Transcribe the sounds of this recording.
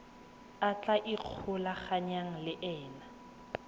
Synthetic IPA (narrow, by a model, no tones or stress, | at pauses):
at͡ɬaʔiq͡χʰʊlaχaɲaŋ̩lɪʔɛːna